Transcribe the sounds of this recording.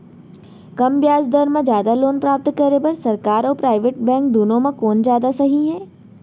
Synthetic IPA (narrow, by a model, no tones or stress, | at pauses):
kɐmbjaːzd̪əɾmẽd͡ʒjaːd̪aloːnpɾaːp̚t̪kɐɾebɐɾsɐɾkaːɾɔːɾpɾaːɪʋeːʈ̚bɛ̃ːŋk̚d̪uːnõmãkoːnd͡ʒjaːd̪asɐɦiɦɛː